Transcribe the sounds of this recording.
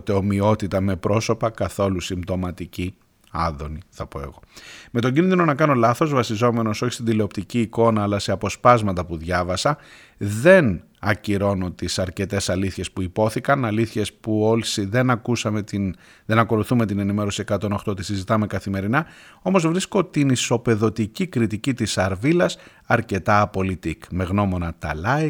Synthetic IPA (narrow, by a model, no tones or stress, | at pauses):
t̪eo̞mio̞t̪it̪ɐme̞pɾo̞so̞pɐkɐθo̞lusimt̪o̞mɐt̪ici | ɐ̰ðo̞niθɐpo̞e̞̰ɣo̞met̪o̞ɲɟinðino̞nɐkɐno̞lɐθo̞zvɐsizo̞me̞no̞so̞çi̥st̪id̪ile̞o̞pt̪iciːko̞nɐːlɐse̞ɐpo̞spɐzmɐt̪ɐpuðʝɐvɐsɐ | ðe̞n | ɐciɾo̞no̞t̪isɐɾce̞t̪e̞sɐliθçe̞spuipo̞θikɐnɐliθçe̞spuo̞lsiðe̞nɐkusɐme̞t̪in | ðe̞nɐko̞luθume̞t̪ine̞nime̞ɾo̞siekɐt̪o̞no̞xt̪oot̪isizit̪ɐme̞kɐθime̞ɾinɐo̞mo̞zvɾisko̞t̪iniso̞pe̞ðo̞t̪icikɾit̪icit̪isɐɾvilɐs | ɐɾce̞t̪ɐːpo̞lit̪ikme̞ɣno̞mo̞nɐt̪ɐ̰lɐi